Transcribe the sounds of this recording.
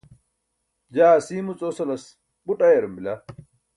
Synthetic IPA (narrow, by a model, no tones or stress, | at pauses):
d͡ʒaːsiːmʊt͡sʼosɐlɐs | ɓʊɗɐjɐɾʊmbɪla